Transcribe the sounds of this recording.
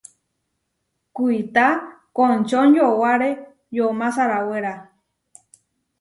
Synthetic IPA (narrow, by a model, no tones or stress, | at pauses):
kuit̪akõnt͡ʃonjowaɾe | jomãsaɾaweɾa